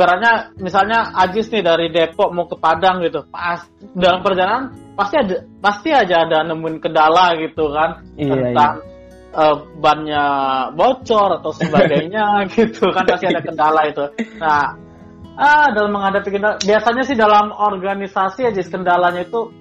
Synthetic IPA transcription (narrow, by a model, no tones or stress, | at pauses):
bəɾaɲamisalɲaad͡ʒɪsnɪdaɾidepɔʔ̚mukəpadaŋɡit̪upas | dalampərd͡ʒaɾaanpast̪iadapast̪iad͡ʒaːdanəmuɪnkəndalahɡit̪ukan | t̪ənt̪aŋ | əːbanɲabot͡ʃɔɾat̪awsəbaɡajɲaɡit̪ukanpast̪iadakəndalait̪unah | ədalamːəŋadapikəndalabiasaɲasɪhdalamorɡanisasiad͡ʒɪskəndalaɲait̪u